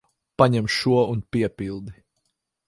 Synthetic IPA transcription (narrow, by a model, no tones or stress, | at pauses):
paɲɛmʃuɔunpiɛpilˠd̪i